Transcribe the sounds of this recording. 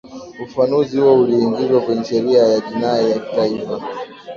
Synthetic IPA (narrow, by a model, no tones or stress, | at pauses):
ufanuzihuɔuliːŋɡizwakwɛɲɛʃɛɾiajaʄinajaki̥taifa